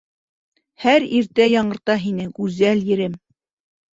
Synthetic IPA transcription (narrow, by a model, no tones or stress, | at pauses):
hæɾiɾt̪æjɑɴɤ̆ɾt̪ɑɦinɘɡʉzæljɘ̆ɾɘm